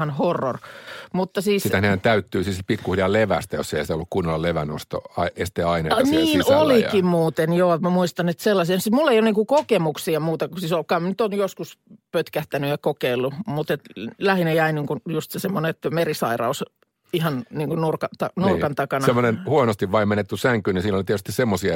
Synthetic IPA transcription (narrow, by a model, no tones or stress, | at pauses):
ɑnhorːo̰rmut̪ːɑsiːsit̪æneænt̪æyt̪ːyːsiːspikːuhiriɑleʋæ̰st̪æjo̰sːeisit̪æolːukkunːolːɑleʋæ̰no̰st̪o̰ɑiest̪eːɑinɑniːnolikimmuːt̪enjoːmæmuist̪ɑnet̪selːɑsiɑsimulːeioniŋkukokemuksiɑmuːt̪ɑkusiːsolkɑːmnyt̪onjoskuspøt̪kæht̪ænyjɑkokeilːumut̪et̪læhinɑjæiniːŋkunjust̪sesemːoneet̪ːmerisɑirɑ̰us | ihɑnniːŋkunnurkɑt̪ɑnurkɑnt̪ɑkɑnɑsemːonenhuonost̪iʋʋɑimmenet̪ːysæŋkyːninsiːnolit̪iet̪yst̪issemːosiɑ